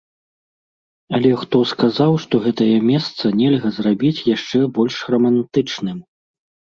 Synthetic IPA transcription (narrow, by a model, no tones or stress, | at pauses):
ɐlʲɛxt̪ɔskazawʂt̪ɔɣɛt̪ɐjɐmʲɛst̪sɐnʲɛlʲɣɐzrabʲit͡sʲjaʂt͡ʂɛbɔlʲʂɣrɐmant̪ɨt͡ʂnɨm